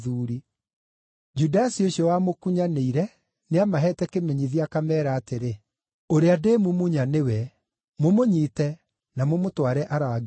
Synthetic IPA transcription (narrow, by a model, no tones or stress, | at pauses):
ðuːɾi | d͡ʒudasioʃɔwamokuɲaneiɾɛ | neamaɦɛtɛkemeɲiðiakamɛːɾaːteɾe | oɾeadeːmumuɲanewɛ | momoɲiːtɛ | namomotwaɾɛʔaɾaɡ